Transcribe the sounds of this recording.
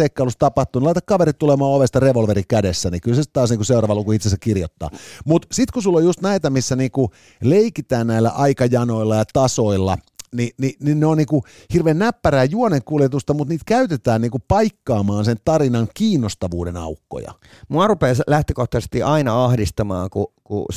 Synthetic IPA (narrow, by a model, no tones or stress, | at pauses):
ekːɑlust̪ɑpɑht̪ˑuːnlɑit̪ɑkkɑʋeɾit̪t̪ːulemɑːoʋest̪ɑreʋolʋeɾikædesːænikylsest̪tɑːsniːkuseurɑːʋɑlukuit̪sesækkirjo̰t̪ːɑ̰ːmut̪sit̪kusulːojust̪næit̪æmisːæniːŋku | leikit̪æːnnæilːæ̰ʔɑikɑjɑnoilːɑjɑt̪ɑsoilːɑ̰ninininneonniːŋku | hirʋeːnnæpːæræːjuoneŋkuljet̪ust̪ɑmut̪niːt̪kæyt̪et̪æːnniːŋkupɑikːɑːmɑːnsent̪ɑrinɑŋkiːnːost̪ɑʋuːdenɑ̰ukːo̰jɑ̰ | muɑrupeːslæht̪økoht̪ɑse̥st̪iʔɑinɑɑhdist̪ɑmɑ̰ːŋkukṵ